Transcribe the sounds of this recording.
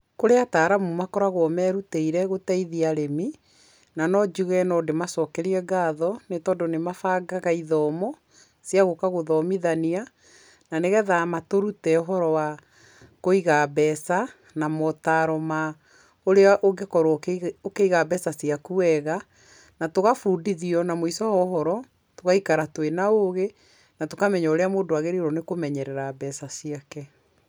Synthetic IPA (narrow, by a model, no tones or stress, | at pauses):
koɾeataːɾamumakɔɾaɣɔmɛɾuteiɾɛɣotɛiðiaɾemi | nanɔd͡ʒuɣɛnɔdemasɔkɛɾiɛɡaːðɔnetɔːdonemafaːɡaɣaiðɔːmɔ | sjaɣokaɣoðɔmiðania | naneɣɛðamatoɾutɛoɦɔɾɔwa | koiɣabɛsa | namɔtaɾɔma | oɾeaʔoɡekɔɾookeiɣaβɛsasiakuɛɣa | natoɣafuːdiðiɔnamoisɔhɔɦɔɾɔ | toɣaikaɾatwenaoɣe | natokamɛɲaoɾeamoːndoaɣeɾiɾɔnekomɛɲɛɾɛɾabɛsasiakɛ